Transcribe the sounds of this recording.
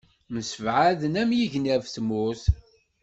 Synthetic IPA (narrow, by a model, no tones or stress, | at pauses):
məsəvʕaðənæmjiʝnævsmʊθ